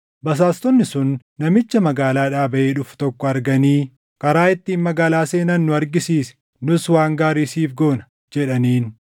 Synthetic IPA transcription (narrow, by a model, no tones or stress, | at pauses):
bɐs̬aːst̪ɔnːɪsʊnː | ɐmɪt͡ʃːɐmɐɡaːlaːᶑaːbɐʔeːᶑʊft̪ɔkːɔɐɾɡɐniː | kɐɾaːɪt̪ːiːnmɐɡaːlaːse̞ːnɐnːʊɐɾɡɪsiːsɛ̥ | nʊswaːŋɡaːɾiːsiːfɡo̞ːnɐ̥ | d͡ʒɛᶑɐniːn